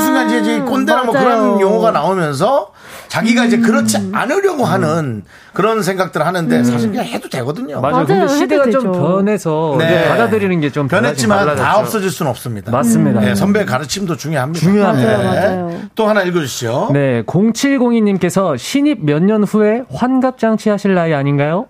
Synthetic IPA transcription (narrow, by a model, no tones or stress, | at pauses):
s͈inaɡid͡ʑik͈ondenamwokɯɾʌnjʌŋʌɡanaomjʌns̬ʰʌ | t͡ɕaɡiɡaid͡ʑe̞kɯɾʌt͡ɕʰia̰nɯɾjʌɡoɦanɯn | kɯɾʌns̬ʰe̞ŋɡak̚t͈ɯɾhanɯnde̞s̬ʰaɕʰikhedode̞ɡʌdɯɲomakɯndeɕʰideɡat͡ɕompjʌnɦe̞sʰʌned͡ʑepadadɯɾinɯnɡe̞t͡ɕompjʌnɦeimanataʌps͈ʌd͡ʑiɭs͈unɯnʌp̚s͈ɯmɲidamas͈ɯmɲidaesʰʌmbekaɾɯt͡ɕʰimdot͡ɕuŋjoɦamɲiuŋjoɦa | t͈ohanaiɭɡʌd͡ʑuɕione̞koŋt͡ɕʰiɭɡoŋiɲːimk͈e̞sʰʌɕʰiɲib̚mjʌɲːʌnɸue̞ɸwanɡap̚t͡ɕ͈aŋt͡ɕʰiɦaɕʰiɭːaiaɲinɡajo